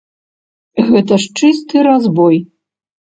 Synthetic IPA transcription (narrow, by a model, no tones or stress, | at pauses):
ɣɛt̪ɐʂt͡ʂɨst̪ɨɾazbɔj